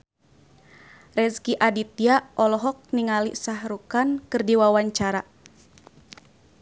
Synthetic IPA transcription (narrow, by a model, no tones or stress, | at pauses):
rɛskiʔadit̪̚iaʔɔlɔɦɔk̚niŋalisahɾukankɨrdiwawaɲt͡ʃaɾa